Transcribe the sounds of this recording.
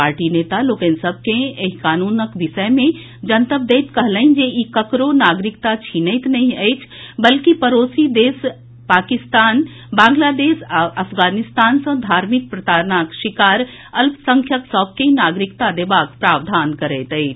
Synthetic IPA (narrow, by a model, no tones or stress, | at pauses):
aːɾʈineːt̪aloːkẽːnsɐb̚ʱkẽeɦkaːnuːnəkʋɪʃəmẽ | d͡ʒɐnt̪əbd̪eːt̪kɐɦləĩnd͡ʒeʔikəkɾonaːɡɾɪkt̪at͡ʃʰiːnəɪt̪nɐɦĩɐet͡ʃʰbɐlkipɐɾoːsid̪eːs | paːkɪst̪aːn | bãːŋɡlaːd̪eːsɐfɡaːnɪst̪aːnsɐ̃d̪ʱaːɾmɪk̚pɾɐt̪aːɾnaːkʃɪkaːɾ | ɐlbsɐ̃ŋkʰjəksɔːb̚keinaːɡɾɪkt̪ad̪eːbaːkpɾaːʋd̪ʱaːnkɐɾət̪ɐet͡ʃʰ